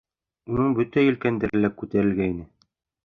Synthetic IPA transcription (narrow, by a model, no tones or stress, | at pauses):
unɤɴbɵt̪æjɵ̆lkænd̪æɾɘ̆lækʉt̪æɾɘ̆lɡæinɘ